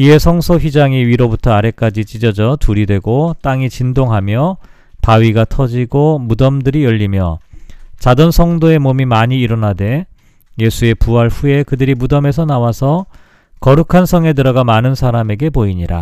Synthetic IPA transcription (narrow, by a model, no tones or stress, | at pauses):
iɦe̞sʰʌŋsʰoɸɥid͡ʑaŋiɥiɾobutʰʌaɾe̞k͈ad͡ʑit͡ɕ͈id͡ʑʌd͡ʑʌtuɾidwe̞ɡot͈aŋit͡ɕindoŋɦamjʌ | paɥiɡatʰʌd͡ʑiɡomudʌmdɯɾijʌʎːimjʌt͡ɕadʌnsʰʌŋdoe̞momimaɲiːɾʌnade̞ | je̞sʰue̞puɦaɭɸuje̞kɯdɯɾimudʌme̞sʰʌnawasʰʌ | kʌɾukʰansʰʌŋe̞dɯɾʌɡamanɯnsʰaɾame̞ɡe̞poiɲiɾa̰